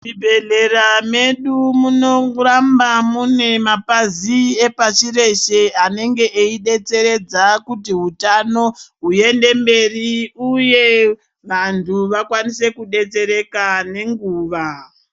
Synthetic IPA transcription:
mibʱe̞ɮe̞rame̞ɗumuno̞rambamune̞mapaziepat͡ʃire̞ʃe̞ane̞ŋɡe̞ʔeiɗe̞t͡se̞ɾe̞d͡zakutiɦutano̞ɦuje̞nde̞mbe̞riuje̞ | ʋantʰuʋakwanise̞kuɗe̞t͡se̞ɾe̞kane̞ŋɡuːʋa

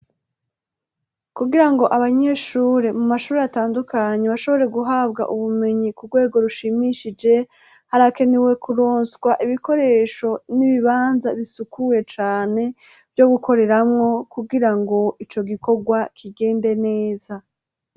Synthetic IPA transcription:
kuɡiɾaŋɡo̞ʔaβaɲe̞ʃuːɾemumaʃuːɾeataːndukaɲe̞βaʃo̞βo̞ɾe̞ɡuɦabɡa̰ʔuβume̞ɲikuɾɡwe̞ːɡo̞ɾuʃimiʃid͡ʒe̞ | haɾake̞newe̞kuɾo̞ːnsɡwaʔiβiko̞ɾe̞ːʃo̞niβiβaːnzaβisukuje̞t͡ʃaːne̞ | vjo̞ɡukʰo̞ɾe̞ɾamŋo̞kuɡiɾaŋɡo̞it͡ʃo̞ɡiko̞ɡwakʰiɡe̞ːnde̞ne̞ːza

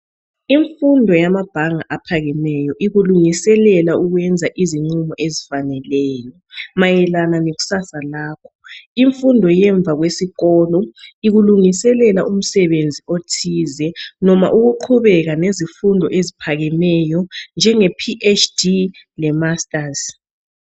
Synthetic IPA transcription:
iɱfundʱɔjamab̥ʱaŋaʔapʰaɣɛmɛjɔʔiɣuluŋisɛlɛlauɣwɛnd͡zʱaʔiziŋ͡ǀumɔʔezifanɛlɛːjɔ | majɛlananeɣu̥sasalaːkʰɔ̥iɱfundʱɔjɛɱb̪vʱaɣwesiɣɔːlɔiɣuluŋisɛlɛlaʔum̩sɛβend͡zʱiotʰiːzɛnɔma̰ʔuɣuǃʰuβɛɣanezifundʱɔ̰ʔezipʰaɣɛmɛjɔnd͡ʒʱɛŋepʰiʔet͡ʃʰʼdi | lɛmastʼaz

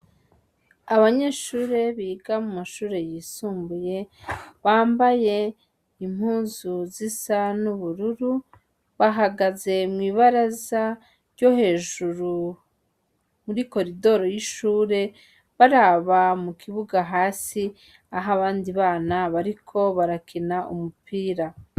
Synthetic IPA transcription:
aβaɲe̞ːʃuːɾe̞βiːɡamumaʃuːɾe̞jiːsuːmbuje̞βaːmbaje̞ | im̥huːnzuzisanuβuɾuɾu | βaɦaɡaze̞mŋiːβaɾaza | ɾjo̞he̞ːʒuɾu | muɾiko̞ɾido̞ɾo̞jiʃuːɾe̞ | βaɾaβamukʰiβuɡaɦaːsi | aɦaβaːndiβaːnaβaɾikʰo̞βaɾakʰinaʔṵmupʰiːɾa

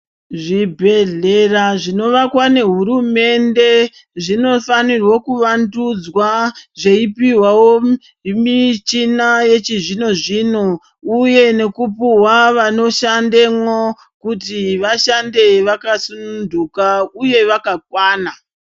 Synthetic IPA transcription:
ʐibʱe̞ɮe̞raʐino̞ʋakwane̞ɦuɾume̞nde̞ | ʐino̞fanirwokuʋandud͡zwaʐe̞ipiwawo | mit͡ʃinaje̞t͡ʃiʐino̞ʐiːno | uje̞ne̞kupuwaʋano̞ʃandemwo̞ | kutiʋaʃande̞ʋakasunundukauje̞ʋakak̚waːna

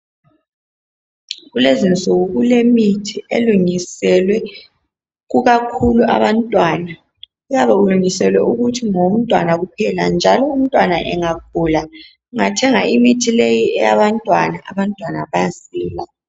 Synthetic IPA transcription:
ɣulezint͡sʼuɣuɣulemitʰiḛluŋisɛlwɛ | ɣuɣakʰuluʔa̰βantʼwana | ujaβauluŋisɛlwɛʔuɣutʰiŋom̩tʼwa̰naɣupʰɛla̰nd͡ʒʱalɔum̩tʼwanaʔɛ̰ŋap̚uːla | ŋatʰɛŋaimitʰilejiɛja̰βantʼwanaʔa̰βantʼwana̰βajasiːla

